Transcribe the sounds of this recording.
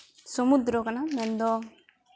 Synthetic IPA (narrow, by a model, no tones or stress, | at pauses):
sɔmud̪ɾɔkɐnamɛnd̪ɔ